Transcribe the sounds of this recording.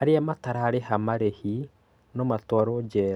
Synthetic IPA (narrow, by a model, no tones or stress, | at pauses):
aɾeamataɾaɾeɦamaɾehi | nɔmatwaɾɔd͡ʒɛɾ